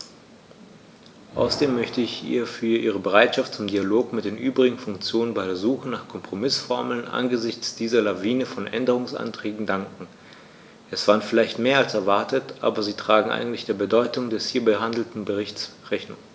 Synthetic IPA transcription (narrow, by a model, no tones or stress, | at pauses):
ʔa̰ʊsɐdeːmːœçtəɪçʔḭːɐfyːɐʔḭːʁ̞əbəʁaɪtʃaft̚t͡sʊmdialoːkmɪtd̥eːnʔyːbʁɪɡŋ̩fʊŋkt͡sjoːnənbaɪdeːɐzuːxənaːχkʰɔmpʁ̥omɪsfɔɐml̩nʔa̰nɡəzɪçt͡sd̥iːzɐlaviːnəfɔnʔɛ̰ndəʁ̞ʊŋsʔa̰ntʁ̥ɛːɡŋ̩daŋkŋ̩ | ʔɛsv̥aːʁənfɪlaɪçtmeːɐalsɛɐvaɐtətʔa̰ːbɐziːtʁ̥aːɡŋ̩ʔa̰ɪɡŋ̩tlɪçd̥eːɐbədɔʏtʊŋdɛshiːɐbəɦandl̩tn̩bəʁɪçt͡sʁɛçnʊŋ